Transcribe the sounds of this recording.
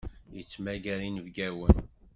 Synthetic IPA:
jət͡sːmæɡæɾinəvɡæwən

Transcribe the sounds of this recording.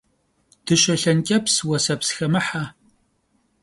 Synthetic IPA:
d̥ɨʃɐɬɐnkʲʼɐpʰswɐsɐpsxɐmɨħaː

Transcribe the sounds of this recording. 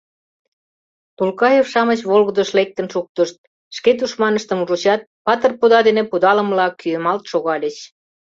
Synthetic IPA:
t̪ulkɑjefʃɑmət͡ɕβolɣəd̪ə̆ʃlek̚t̪ə̆nʃuk̚t̪əʃt̪̚ | ʃket̪uʃmɑnəʃt̪əmuʒut͡ɕɑt̪̚pɑt̪ərpud̪ɑd̪enepud̪ɑlə̆mlɑkyəmɑlt̪ʃoɣɑlʲət͡ɕ

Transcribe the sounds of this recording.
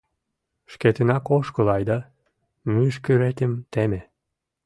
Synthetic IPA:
ʃket̪enɑkoʃkolɑjd̪ɑ | myʃkyɾet̪emt̪eme

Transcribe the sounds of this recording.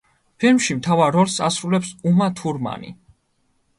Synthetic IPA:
pʰilmʃimt̪ʰavaɾːɔlˠsasɾulɛpsumat̪ʰuɾma̰nḭ

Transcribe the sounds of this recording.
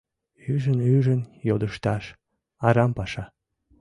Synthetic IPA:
yʒənyʒənjod̪əʃt̪ɑʃ | ɑɾɑmpɑʃɑ

